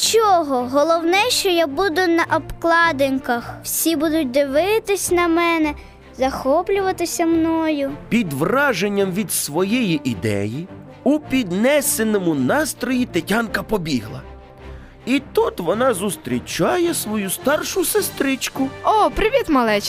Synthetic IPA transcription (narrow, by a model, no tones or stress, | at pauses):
t͡ʃɔɦɔɦɔlˠɔwnɛʃt͡ʃɔjabud̪ʊnɐʔɔpklˠɑd̪ɪnkɐxw̥sʲibud̪ʊt̚ʲd̪ɪʋɪt̪ɪsʲnɐmɛnɛ | zɐxɔplʲʊʋɐt̪ɪsʲɐmnɔjʊpʲid̪ʋrɑʒenʲːɐmʋʲid̪sʋɔjɛjiʔid̪ɛ̰ji | ʊpʲid̪nɛsenɔmʊnɑst̪ɾɔjit̪etʲɑnkɐpɔbʲiɦlˠɐ̰ | it̪ut̪ʋɔnɑzʊst̪ɾʲit͡ʃɑjɛsʋɔjust̪ɑrʃʊsest̪ɾɪt͡ʃkʊɔpɾɪʋʲit̪mɐlˠɛt͡ʃ